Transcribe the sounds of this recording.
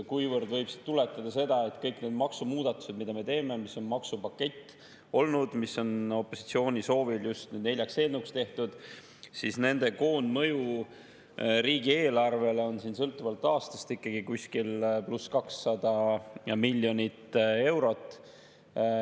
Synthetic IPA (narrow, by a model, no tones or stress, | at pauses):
kujvɤrd̪vɤjb̥si̥d̪t̪ule̞t̪ːˑɑd̪̥ɑse̞d̪̥ɑe̞t̪kɤjkne̞d̪mɑksumuːd̪̥ɑt̪ːˑu̥se̞d̪mid̪̥ɑme̞t̪e̞ːme̞misːo̞nmɑksupɑkːe̞t̪ː | o̞lnud̪̥misːo̞no̞pːo̞si̥t̪sio̞ːnʲiso̞ːviljust̪nyd̪ne̞lʲjɑkse̞ːlnukst̪e̞ht̪ud̪̥ | sisne̞nd̪̥e̞ko̞ːnmɤ̞ju | riːɡie̞ːlɑrve̞leo̞nsiːnsɤlt̪ːˑuvɑlt̪ːˑɑːst̪ɑ̥st̪ikːɑɡ̥ikusʲkilpluskɑksːɑd̪̥ɑmilʲːjo̞nʲit̪e̞wɾo̞t̪ːˑ